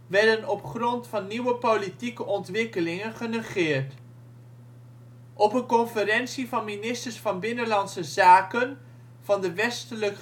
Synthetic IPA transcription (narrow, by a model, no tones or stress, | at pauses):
ʋɛɹdənɔpχrɔntfɑnːiʋəpolitikəʔɔntʋɪkəlɪŋənχənəχɪːɹt | ʔɔpənkɔnfəɾɛnsivɑnminɪstəɹsfɑnbɪnəlɑntsəzaːkən | v̥ɑndəʋɛstələk